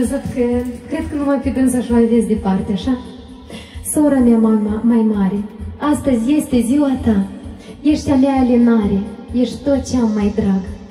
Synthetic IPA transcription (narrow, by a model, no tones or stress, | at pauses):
əzɨt̪kəkɾed̪̚kəvəvamfid̪ɨnsaʃalvʲesd̪epart̪ʲeaʃa | soɾamʲamamamajmaɾʲeast̪əzʲjest̪ʲeziwat̪ajeʃt̪ʲamʲaalʲenaɾʲejeʃt̪ʲt̪ot̪̚t͡ʃeamːajd̪ɾaɡ